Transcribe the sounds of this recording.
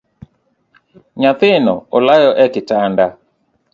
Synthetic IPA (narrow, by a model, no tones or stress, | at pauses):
ɲat̪ɪnɔolajɔʔɛkɪtanda